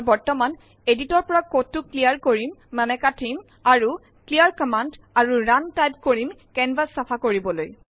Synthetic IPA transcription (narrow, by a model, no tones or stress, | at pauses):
bɔɹtɔman | editɔɹpɔɹakotːʊklijaɹkoɹimːɛmɛkatʰim | aɹu | klijaɹkɔmand | aɹuɹantajp̚koɹimkɛnbasːapʰakoɹibɔloj